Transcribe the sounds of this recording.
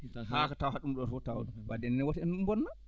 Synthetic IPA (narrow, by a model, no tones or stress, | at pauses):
hakatawhaɗumɗɔfɔtawɗɔbadɛnnɛwatiɛnumbɔnːa